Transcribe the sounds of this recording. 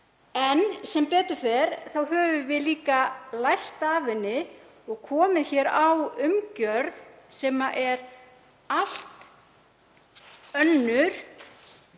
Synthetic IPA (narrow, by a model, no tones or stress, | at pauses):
ɛnsɛmpɛːt̪ʏ̥fɛɾθawɦœːvʏvɪðliːkalajr̥t̪aːvɪnːɪ | ɔɣkʰɔːmɪðçɛɾawʏmcœɾðsɛːmaʔɛɾ | al̥t̪ | œnːʏɾ̥